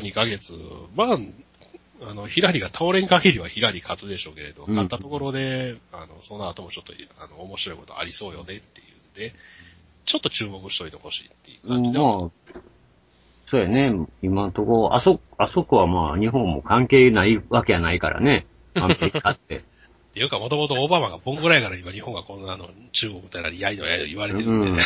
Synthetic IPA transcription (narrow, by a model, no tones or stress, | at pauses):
ɲikaɡe̞t͡sɨma | ano̞çiɾaɾʲiɡat̪ʰaoɾẽ̞ŋkaɡʲiɾʲiβaçiɾaɾʲikʰat͡sɨd̪e̞ɕo̞ːke̞ɾe̞d̪okat̪ːat̪o̞ko̞ɾo̞d̪e̞ano̞so̞nːaːt̪o̞mo̞t͡ɕo̞t̪ːoanoːmo̞ɕiɾo̞iko̞t̪o̞a̰ɾʲiso̞ːjo̞ne̞t̪ːe̞jɯ̟nd̪̥e̞ | t͡ɕo̞t̪ːot͡ɕɨːmo̞kɯ̟ɕi̥t̪o̞it̪e̞̰ho̞ɕḭːt̪ːejɯkːaɯ̃ːiemaː | soːjane̞imant̪o̞kooʔa̰sok | aso̞kɯ̟βamaːɲ̟iɦõ̞mːo̞̰kãŋke̞ːnaiβake̞janaika̰ɾʔa̰ne̞ | ãkeat̪ːe̞ | t̪ːejɯ̟kamo̞t̪o̞mo̞t̪̬ooːbamãŋɡabõ̞ŋɡɯ̟ɾaikaɾaimaɲ̟ihõ̞ŋɡakõ̞nːano̞t͡ɕɨːmo̞kɯ̟t̪ojaaɾʲiaid̪o̰jaid̪o̰iβaɾeẽː